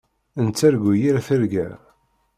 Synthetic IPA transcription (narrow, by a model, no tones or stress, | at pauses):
ənt͡sːæɾɡujiɾæθəɾɡæ̰